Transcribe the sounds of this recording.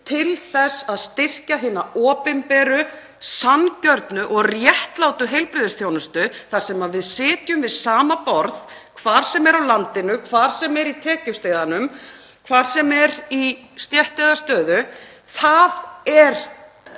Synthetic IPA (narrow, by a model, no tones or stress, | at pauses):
t̪ʰɪlθɛsaðst̪ɪr̥caɦɪːnːaʔɔːpɛmpɛːɾʏ | sancœɾt̪nʏʔɔɣrjɛht̪laːwt̪ʏɦejlpɾɪðɪsθjoːwnʏst̪ʏθaɾ̥sɛːmavɪðsɪːt̪jʏmvɪðsaːmapɔɾðkʰvaːɾ̥sɛmɛɾawlant̪ɪnʏkʰvaːɾ̥sɛmɛɾit̪ʰɛːcʏst̪ejðanʏm | kʰvaːɾ̥sɛmɛɾist̪jɛht̪ɛðast̪œːðʏ | θaðɛɾ̥